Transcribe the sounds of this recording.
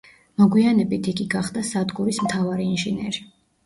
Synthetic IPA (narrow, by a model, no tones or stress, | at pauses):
mɔɡwianɛbit̪ʰiɡiɡaχd̪asad̪ɡuɾismt̪ʰavaɾiːnʒinɛɾi